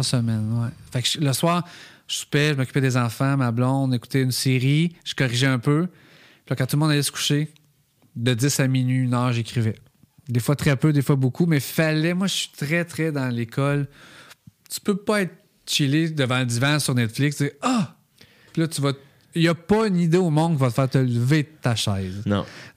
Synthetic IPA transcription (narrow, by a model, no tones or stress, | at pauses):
səmɛnwɛfakʒləswɑːʁʒəsy̥pɛʒəmɔkʲy̥pɛd̪ezɑ̃fãmablɔ̃d̪eku̥t̪ɛynseʁiʒ̥ə̥kɔʁiʒɛɛ̃pø | pilɔkãt̪ulmɔ̃d̪alɛsə̥ku̥ʃe | d̪əd͡zɪsamininɑːʁʒekʲʁivɛ | d̪efwat̪ʁɛpød̪efwabokʰumɛfalɛmwaʒəsi̥t̪ʁɛt̪ʁɛd̪ɑ̃lekʰɔl | t̪y̥pøpɔɛɪt̪ | t͡ʃiled̪əvãəd̪ivãsyʁnɛt̪flɪksd͡ziːʌ | pilʌt̪yvʌ | jɐpʌynid̪eomɔ̃nkʲivʌt̪əfɛːʁt̪əlvet̪aʃɛɪzñ̰